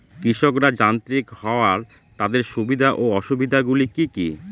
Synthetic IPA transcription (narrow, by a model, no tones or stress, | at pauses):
kɾiʃokɾad͡ʑant̪ɾikhɔoaɾ | t̪ad̪eɾʃubid̪ʱaʔoɔʃubid̪ʱaɡulikiki